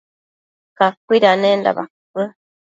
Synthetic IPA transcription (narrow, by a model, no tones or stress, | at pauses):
kakʷːiɾanenda̰βakɨ